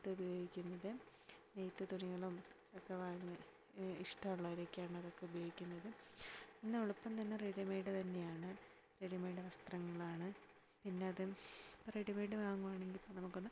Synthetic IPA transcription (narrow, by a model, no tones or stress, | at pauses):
t̪ːɨubɐjo̞ːɡikʲːunːɐðɨnejt̪ːɨt̪uɳiɣɐɭum | okːeʋaːŋːɨ | iʂʈɐmuɭːɐʋiɾekʲːaːɳɨɐðo̞kːeubɐjoːɡikʲːunːɐðɨinːɨuɭupːɐmt̪ɐnːereɽimeːjɖɨt̪ɐnːejaːɳɨ | reɽimeːɖɨʋɐst̪rɐŋːɐɭaːɳɨ | pinːe̞ɐðɨreɽimeːɽɨʋaːŋːuʋaːɳe̞ŋɡilpɐnɐmukːonːɨ